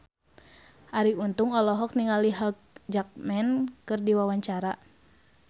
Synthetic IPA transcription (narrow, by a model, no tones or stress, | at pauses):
ʔaɾiunt̪uŋɔlɔɦɔk̚niŋaliɦak̚d͡ʒak̚mɛnkɨrdiwawaɲt͡ʃaɾa